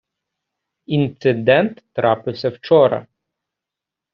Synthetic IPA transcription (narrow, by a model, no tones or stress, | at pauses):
int̪sɪd̪ɛnt̪ːɾɑpɪwsʲɐwt͡ʃɔɾɐ̰